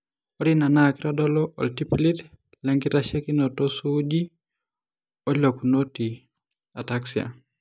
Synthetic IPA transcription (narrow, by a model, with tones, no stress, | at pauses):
o˦dina˨naki˦ɾɔdɔ˦lɔʔɔ̰˨lti˦pilit | lɛ˦ŋɡi˦ɾaʃe˦ki˦nɔtosud͡ʒi˦ | o˦lo˨kunoti˨ | a˨taksia̰˨